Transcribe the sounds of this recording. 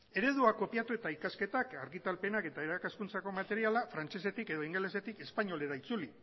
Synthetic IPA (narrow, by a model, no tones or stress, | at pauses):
e̞ɾe̞ðuako̞pijat̪ue̞t̪aikaske̞t̪akaɾɣit̪alpe̞nake̞t̪ae̞ɾakaskunt͡sako̞mat̪e̞ɾialafɾant͡ʃe̞se̞t̪ike̞ðo̞iŋɡele̞se̞t̪ike̞spaɲo̞le̞ɾait͡suli